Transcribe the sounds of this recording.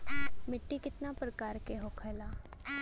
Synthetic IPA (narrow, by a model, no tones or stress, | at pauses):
mɪʈːikɪt̪napɾəkaːɾkeɦoːkʰəlaː